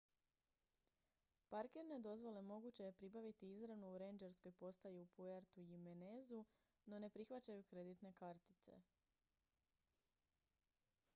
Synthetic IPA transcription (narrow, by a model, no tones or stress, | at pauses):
paɾkeɾne̞d̪o̞zʋo̞le̞mo̞ɡut͡ɕe̞jepɾibaʋit̪iizɾanuːɾend͡ʒeɾsko̞jpo̞st̪ajeupueɾt̪ujimenezu | no̞ne̞pɾixʋat͡ɕajukɾe̞d̪it̪ne̞kaɾt̪i̥t̪sḛ